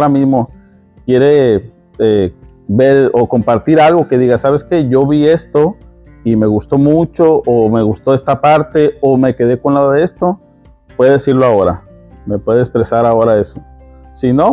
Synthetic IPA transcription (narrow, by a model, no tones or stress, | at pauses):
ɾamizmo̞ | kje̞ɾe̞ | e | be̞ɾoko̞mpaɾt̪iɾalɣo̞ke̞ðiɣasaβe̞ske̞ʝo̞βie̞st̪o̞ | ime̞ɣust̪o̞mut͡ʃo̞ʔːme̞ɣust̪o̞est̪apaɾt̪e̞ome̞ke̞ðe̞ko̞nlaðoðee̞st̪o̞ | pweðeðesiɾloao̞ɾa̰ | me̞pwe̞ðeekspɾe̞saɾao̞ɾae̞sosino̞